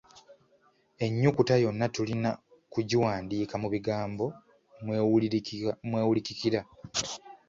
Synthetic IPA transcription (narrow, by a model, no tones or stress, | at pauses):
e̞ɲːukutajo̞nːatulina | kuɟiwaːndiːkamuβiɡaːmbo̞ | m | mweːwulicikiɾa